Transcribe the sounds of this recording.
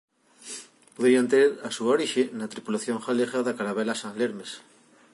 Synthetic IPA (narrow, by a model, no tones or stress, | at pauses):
poðiant̪eɾasuaoɾiʃenat̪ɾipulaθjoŋxaleɣaðakaɾaβelasãŋleɾmes